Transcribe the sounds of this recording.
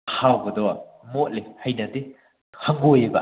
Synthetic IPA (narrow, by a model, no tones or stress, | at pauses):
hawɡɐdɔwɐ | mot̚lihɐjnɐdi | hɐŋɡojebɐ̰